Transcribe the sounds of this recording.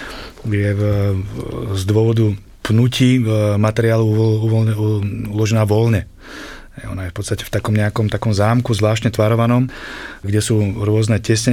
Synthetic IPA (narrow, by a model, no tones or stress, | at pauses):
jɛ | zd̪ʊɔʋɔd̪u | pnuciːmat̪ɛɾɪaːluuɔ | ulɔʒɛnaːʋɔlɲɛ | ɦɛɪɔ̰najɛfpɔt̪st̪acɛ̥ft̪akɔmɲɛakɔmt̪akɔmzaːmkuzʋlaːʃtɲɛt̪ʋaɾɔʋanɔmɡɟɛsuːɾʊɔznɛcɛsɲɛ